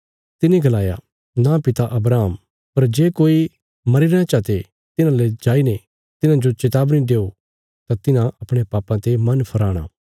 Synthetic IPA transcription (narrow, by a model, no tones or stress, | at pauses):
t̪ɪniɡɐlaːja̰ | napɪt̪aʔɐbɾaːm | pɐɾd͡ʒeːkoːi | mɐɾiɾãt͡ʃaːt̪e | t̪ɪnãled͡ʒaːine | t̪ɪnãd͡ʒot͡ʃɪt̪aːbnĩdeːo | t̪ãt̪ɪnãʔɐpɽ̃epaːpːãt̪emɐnpʰɐɾaːɽ̃a̰ː